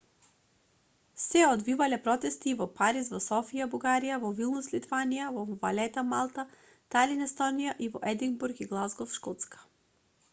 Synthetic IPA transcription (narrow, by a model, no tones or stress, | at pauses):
sɛod̪vivalɛpɾɔt̪ɛst̪ivɔpaɾisvɔsɔfijabuɡaɾijavɔvilˠnuslit̪vanijavɔvalɛt̪amalˠt̪a | t̪alinɛst̪ɔnijaʔivɔʔɛd̪iŋɡbuɾkiɡlˠazɡɔfʃkɔt̪skḁ